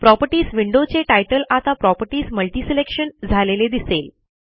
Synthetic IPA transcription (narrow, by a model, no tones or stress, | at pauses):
pɾɔpəʈiːsʋiɳɖot͡seʈajʈəlat̪apɾɔpəɾʈiːsməlʈiːselekʂənd͡zʱaleled̪isel